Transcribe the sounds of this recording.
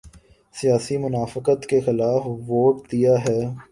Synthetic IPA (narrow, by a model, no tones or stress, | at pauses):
sijaːsimʊnaːfɪqət̪kexɪlaːfʋoːʈ̚d̪ijaɦɛː